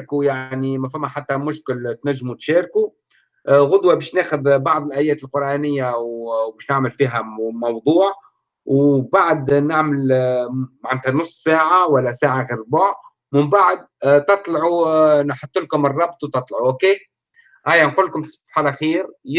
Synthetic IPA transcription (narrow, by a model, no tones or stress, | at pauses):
kujaʕnimæfæmːæħat̪ːæmʊʃkɪlt̪næʒːmut̪ʃɛːɾku | ɣʊd̪wæbɛːʃnæːxʊðbɑʕðˤɪlʔæːjɛːt̪ɪlqʊɾˤʔæːnɪjːawwbɛːʃnɪʕməlfiːɦæmɑwd̪ˤuːʕ | wbaʕd̪naʕmɪl | maʕnæt̪hænʊsˤːsaːʕawælːæsaːʕaɣiːɾbʊʕ | mɪmbaʕd̪̚t̪ɑt̪ˤlʕunħʊt̪ːʊlkʊmɪrˤːɑbt̪ˤut̪ɑt̪ˤlʕuʔokeː | ʔæjanquːlːkʊmt̪sħalʔæxiːɾ